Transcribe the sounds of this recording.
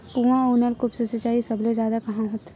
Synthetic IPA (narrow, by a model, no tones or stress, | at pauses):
puãoːnəlkʊpsesɪt͡ʃaːisɐblezjaːd̪akɐɦãɦʊt̪